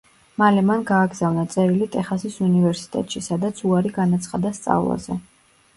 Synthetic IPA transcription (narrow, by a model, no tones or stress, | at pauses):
malɛmanɡaːɡz̥avnat̪sʼɛɾilit̪ʼɛχasisunivɛɾsi̥t̪ʼɛ̰t̪ʼʃisad̪at̪sʰuaɾiɡanat̪sʰχad̪ast̪sʼa̰vlˠa̰zɛ̰